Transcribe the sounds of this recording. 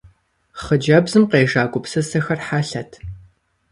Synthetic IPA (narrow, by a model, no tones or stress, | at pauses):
χəd͡ʒɐbzɨmqeːʒaːɡʷʼʊpsɐsɐxɐrħaɬɐtʰ